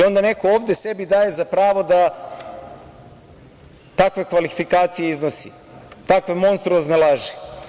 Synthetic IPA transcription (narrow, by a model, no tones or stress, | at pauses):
io̞nd̪ane̞kooːvd̪ese̞bid̪aːje̞zapɾaːʋo̞d̪a | t̪akʋe̞kʋalifikaːt̪sije̞iznosḭ | t̪akʋemo̞nst̪ɾuoznelˠaːʒi